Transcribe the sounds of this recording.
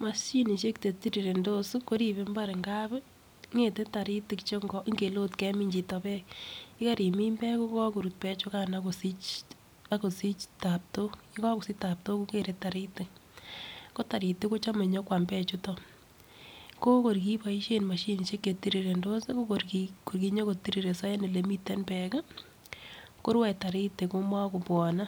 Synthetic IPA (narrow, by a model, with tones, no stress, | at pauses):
ma˨ʃi˦ni˨ʃe˦kte˨ti˦ɾi˨ɾe˨ndo˦su˦ko˦ɾi˦be˨˦mba˦ɾe˨ŋɡa˦b | ŋe˨te˦ta˨ɾi˦tɪ˨kt͡ʃo˦ŋɡɔ˦ʔŋɡe˨lo˦tkɛ˦mi˦ɲd͡ʒi˨tɔ˨pɛ˦kɪ˦ka˦ɾi˨mi˦mbɛ˦ku˦kɔ˦ko˨ɾu˨t̚pɛ˦t͡ʃʊ˦ka˦na˦ko˨si˦t͡ʃ | a˦ko˨si˦t͡ʃta˨p̚to˦i˦kɔ˦ku˨si˦ta˨p̚to˦ku˦ke˨ɾe˦ta˨ɾi˦tɪ˨k̚ | ko˦ta˨ɾi˨te˦ko˦t͡ʃa˦me˨ɲɔ˦kwa˨mbɛ˦t͡ʃu˦tɔ | ko˦ko˨rki˦pa˨i˦ʃe˦nma˨ʃi˨ni˨ʃe˦kːe˨ti˦ɾi˨ɾe˨ndo˦se˦ko˦korkiko˨rki˨ɲo˦ko˨ti˦ɾi˨ɾe˨sɔ˦je˦ne˨le˨mi˦te˦npɛ˨ka˦ | ko˦ɾwɛ˨ta˨ɾi˦te˨ko˦ma˦ko˨pwɔ˨na˦